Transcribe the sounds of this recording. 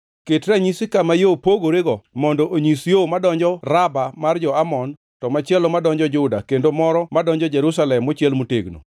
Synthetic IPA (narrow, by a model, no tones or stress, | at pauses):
ketɾaɲisɪkamajopoɡoɾeɡɔmɔndɔʔoɲisjomadɔɲd͡ʒɔrabamard͡ʒɔamɔn | tɔmat͡ʃɛlɔmadɔɲd͡ʒɔd͡ʒʊdakendomɔɾɔmadɔɲd͡ʒɔd͡ʒɛɾusalɛmːot͡ʃɪɛlmutḛɡno̰